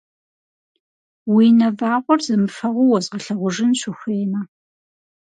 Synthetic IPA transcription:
wiːnɐvaːʁʷɔrzɐmɨfɐʁʷʊwɔzʁɐɬɐʁʷʊʒɪnɕʷɪxʷeːnɐ

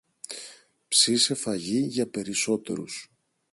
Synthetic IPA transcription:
psise̞fɐʝiʝɐpe̞ɾiso̞t̪e̞̰ɾṵs

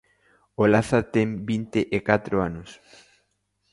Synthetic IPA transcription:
olaθat̪eŋbint̪eʔekat̪ɾoanʊs

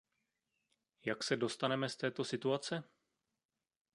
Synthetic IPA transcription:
jaksɛdo̞st̪anɛmɛst̪ɛːt̪o̞sɪt̪uat͡sɛ

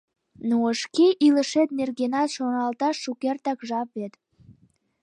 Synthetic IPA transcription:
nuəʃkeʔiləʃet̪̚nerɣenɑt̪ʃonɑlt̪ɑʃːukert̪ɑkʒɑp̚βet̪

